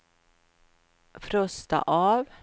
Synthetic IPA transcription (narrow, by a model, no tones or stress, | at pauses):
fɾœst̪a̰ʔɑːʋ